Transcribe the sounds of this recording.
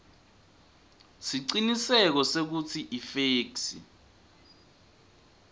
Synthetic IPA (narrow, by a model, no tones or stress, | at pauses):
siǀinisɛk̬ɔsek̬ut͡sʰiʔifeːksḭ